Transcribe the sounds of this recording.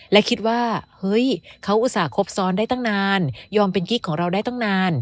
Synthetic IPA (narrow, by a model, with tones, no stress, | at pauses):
lɛ˦˥kʰi˦˥t̪̚waː˥˩hɤ˦˥jkʰa˦˥wʔu˧t̪̚saː˩˦kʰo˦˥p̚sɔː˧ndaː˥˩jt̪ɔ˥˩ŋnaː˧njɔː˧mpe˧nki˦˥˩kʰːɔː˩˦ŋɾa˧wda˥˩jt̪ɔ˥˩ŋnaː˧n